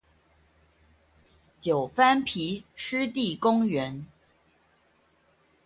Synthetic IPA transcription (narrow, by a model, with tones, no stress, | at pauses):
t͡ɕjo˨˩ʊfa˥npʰi˧˥ʂɻ̩˥t̪i˥˩kʊ˥ŋɥɛ˧˥˦n